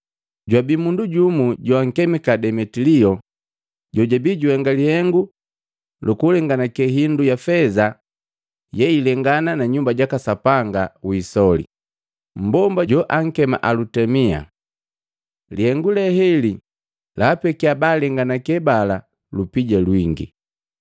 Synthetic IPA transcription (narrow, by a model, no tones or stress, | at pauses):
ɟwabimunduɟumuɟɔaŋ̩kɛmɛkadɛmɛtiliɔ | ɟɔɟabiɟuhɛŋɡalihɛŋɡu | lukulɛŋɡanakɛɦindujafɛza | jɛilɛŋɡananaɲumbaɟakasapaŋɡawisɔlḭ | m̩bɔmbaɟɔʔaŋ̩kɛma̰ʔalutɛmia̰ | lihɛŋɡulɛhɛli | laːpɛkiabaːlɛŋɡanakɛbala | lupiɟalwiŋɡḭ